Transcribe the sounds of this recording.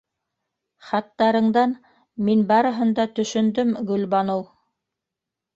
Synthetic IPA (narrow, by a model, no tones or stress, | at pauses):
χɑt̪ːɑɾɤ̆ɴd̪ɑn | minbɑɾɤ̆ɦɤ̆nd̪ɑt̪ɵ̆ʃɵ̆nd̪ɵmɡɵ̆lbɑnow